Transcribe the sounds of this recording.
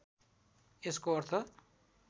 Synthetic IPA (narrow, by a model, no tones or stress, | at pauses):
eskoʌɾt̪ʰʌ